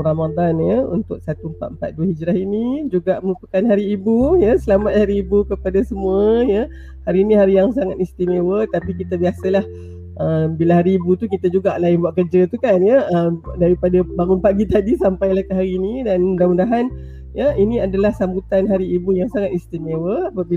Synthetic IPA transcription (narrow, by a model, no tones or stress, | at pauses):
ɾamad̪anjəunt̪ʊk̚sat̪umpa̰t̪̚əmpa̰t̪̚duəɦid͡ʒɾaɦinid͡ʒuɡaʔməmpəkanɦaɾiːbujəsəlamat̪̚haɾiːbukəpadasəmuəjə | haɾiːnĩɦaɾijaŋsaŋat̪̚ist̪imewət̪apikit̪əbiasəlah | ʔəmbilaɦaɾiːbut̪ukit̪ad͡ʒuɡaʔlaɪnbuaʔkərd͡ʒət̪ukanjəəmdaɾipadabaŋʊnpaʔɡit̪adisampajlahkəɦaɾiːnidandamundaɦan | jəiniadalahsambut̪anɦaɾiːbujaŋsaŋat̪̚ist̪imewəapabi